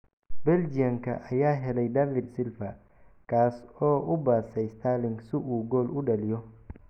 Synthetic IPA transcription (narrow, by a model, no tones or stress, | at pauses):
bɛld͡ʒɪjɐŋkʰɐ̰ʔɐjaːɦɛlɛjd̪aːfɪd̪sɪlfɐ | kʰaːsɔːʔʊbaːsɛjst̪ʰaːlɪŋɡsʊʔuːɡɔːlʊɗɐlɪjɔ